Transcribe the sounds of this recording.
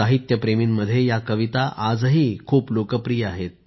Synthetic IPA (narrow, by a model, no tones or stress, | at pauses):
aɦit̪jəpɾemimːəd̪ʱjejakəʋit̪aʔad͡zɦiːkʰuːplokəpɾijaɦet̪̚